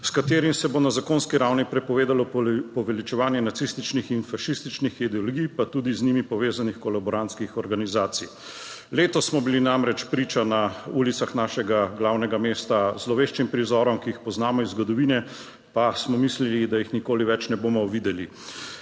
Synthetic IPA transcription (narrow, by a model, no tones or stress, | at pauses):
skat̪eːɾimsɛbonazakoːnskiɾawnipɾɛpɔʋeːd̪alɔpɔʋɛlit͡ʃɛʋaːnjɛnat̪sist̪it͡ʃnixinfaʃist̪it͡ʃnixid̪ɛɔlɔɡijpat̪ud̪iznimipɔʋeːzanixkɔlabɔɾant̪skixɔɾɡanizaːt̪sij | leːt̪ɔsmɔbilinamɾɛt͡ʃpɾiːt͡ʃanaulit̪saxnaːʃɛɡaɡlawnɛɡameːst̪azlɔʋeːʃt͡ʃimpɾizɔːɾɔmkiixpɔznaːmɔizɡɔd̪ɔʋiːnɛ | pasmɔmislilid̪ajixnikoːliʋɛt͡ʃnɛboːmɔʋid̪ɛli